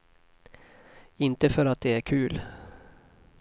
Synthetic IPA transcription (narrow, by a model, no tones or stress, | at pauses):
ɪnt̪əfœɾat̪̚d̪ɛæɾkʰʉːl